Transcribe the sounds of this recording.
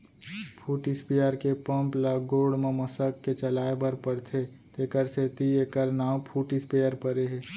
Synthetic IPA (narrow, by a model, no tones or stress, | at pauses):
pʰuʈispijəɾkepə̃mpləɡoːɽmeməsəkːet͡ʃəlaːebəɾpəɾt̪ʰe | t̪eːkəɾset̪iekəɾnaːpʰuʈispejəɾpəɾeɦe